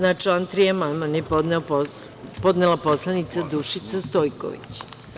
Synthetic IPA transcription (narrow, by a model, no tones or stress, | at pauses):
nat͡ʃant̪ɾijemalmanepod̪neoppod̪nelapo̞slˠanit̪sad̪uʃit̪sast̪ojko̰ʋḭt͡ɕ